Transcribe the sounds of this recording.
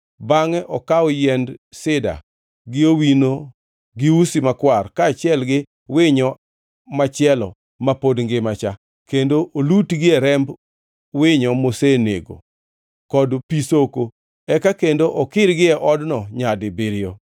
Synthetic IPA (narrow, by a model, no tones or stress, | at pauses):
baŋɛʔɔkaɔjɛndsɪda̰ | ɡɪowino | ɡɪusimakwarkaːt͡ʃɪɛlɡɪ | wɪɲɔ | mat͡ʃɪɛlɔ̰ | mapodŋɡɪmat͡ʃa | kendoʔolutɡɪɛɾɛmb | wɪɲɔmosenḛɡo̰ | kɔdpisoko | ɛkakendoʔɔkɪɾɡɪɛʔɔdnɔɲadɪbɪɾɪjo